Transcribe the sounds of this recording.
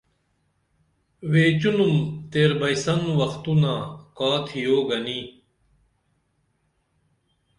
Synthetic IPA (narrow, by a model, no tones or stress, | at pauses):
weːt͡ɕunumt̪eːɾbɐjsɐnwɐxt̪unaːkaːt̪ʰijoːɡɐni